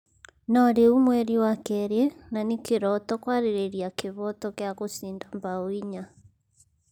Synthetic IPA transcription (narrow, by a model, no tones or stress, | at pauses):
naɾeumwɛɾiwakɛɾɛnanekeɾɔtɔkwaɾeɾeɾiakeβɔtɔkeaɣosindambawiɲa